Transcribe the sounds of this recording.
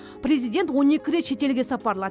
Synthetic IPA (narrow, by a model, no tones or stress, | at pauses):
pre̞zijd̪ʲe̞nt̪wo̞ne̞kʲɪɾe̞t̪ʃe̞t̪e̞lɡʲe̞sɑpɑɾlˠɑ